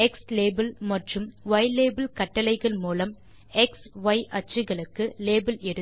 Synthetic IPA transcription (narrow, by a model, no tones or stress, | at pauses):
ɛksleːbɐlmɐʈrɯmʋɐɪleːbɪlkɐʈːɐlɐɪɣɐɭmuːlɐm | ɛksʋɐɪʔɐt͡ʃːɯɣɐɭɯkːɯleːbɪlɛɾɯ